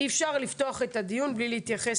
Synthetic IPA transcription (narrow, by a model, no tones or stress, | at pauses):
ifʃaʁlift̪o̞aχe̞t̪ad̪ijunblilehit̪jaχes